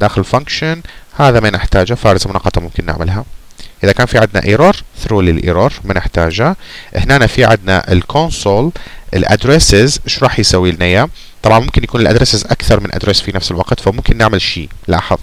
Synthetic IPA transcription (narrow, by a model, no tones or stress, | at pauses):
d̪aːxɪlɪlfaŋkʃanhaːðamanɪħt̪aːd͡ʒafaːɾˤɪzmʊnɑːqːɑt̪ˤɑmʊmkɪnːɪ̰ʕmɪlɦa | ʔɪðakaːnfiʕɪd̪na̰ʔiːɾˤɑɾˤθɾuːlilʔḭːɾɑɾˤmanɪħt̪aːd͡ʒaʔɪhnaːnafiʕɪd̪na̰ʔɪ̰lkʰonsˤolʔɪlʔa̰d̪ɾɛsɪzʃɾˤɑːħjsawːiːlnaja | t̪ˤɑbʕɑnmʊmkɪnjakuːnɪlʔad̪ɾɪsɪzʔakθɑɾˤmɪnʔa̰d̪ɾɛsfinafsɪlwɑqt̪famʊmkɪnːɪʕmɪlʃiːla̰ːħɨ̰ðˤ